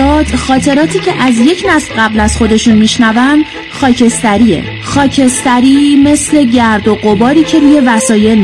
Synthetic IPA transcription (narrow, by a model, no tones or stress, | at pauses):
ɒːd̪̥xɒːt̪ʰe̞ɾɒːt̪ʰiːcʰe̞ʔæzje̞cʰnæslɢæblæz̥xo̞d̪e̞ʃunmiːʃnævæm | xɒːcʰe̞st̪æɾiːḛ | xɒːcʰe̞st̪æɾiːme̞sle̞ɟæɾd̪o̞ɢo̞bɒːɾiːcʰe̞ɾuːje̞væsɒːje̞l